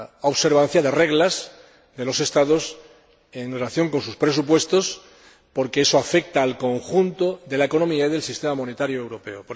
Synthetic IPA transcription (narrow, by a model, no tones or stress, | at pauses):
oβse̞ɾβãn̟θjaðe̞re̞ɣlaz | ðe̞lo̞se̞st̪aðo̞s | enrelaθjo̞ŋko̞ns̬uspɾe̞s̬up̬we̞st̪o̞s | po̞ɾkeesoafe̞k̚t̪aːlko̞ŋxunt̪oðe̞laeko̞nõ̞miaiðe̞lsist̪e̞mamõ̞ne̞t̪aɾjoewɾo̞pe̞opo